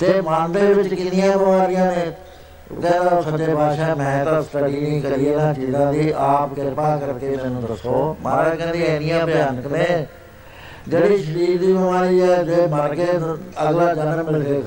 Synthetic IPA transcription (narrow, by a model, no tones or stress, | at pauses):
t̪eːmãːnd̪eːʋɪt͡ʃkɪnɪjãːbəʋaːɾɪjãːnḛː | k̪ɛ̃ɛːt̪asət͡ʃeːpaːʃãːmɛ̃ːt̪əst̪əɽiːnĩːkəɾiːeːnãːt͡ʃiːzãːd̪iːʔaːpkɪɾpaːkəɾkeːmɛ̃ñd̪əsoːma̰ːɾãːkɛ̃ːnd̪eːɪnɪjãːpɪjaːnəkneː | d͡ʒeːɽiːʃəɾiːɾd̪iːʋʋaːɾiːɛːd͡ʒeːməɾkeːəɡlaːd͡ʒənənmɪlseː